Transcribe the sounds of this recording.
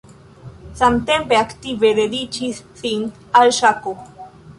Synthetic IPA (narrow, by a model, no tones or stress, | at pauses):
samt̪empeakt̪ived̪ed̪it͡ʃisːin | alʃako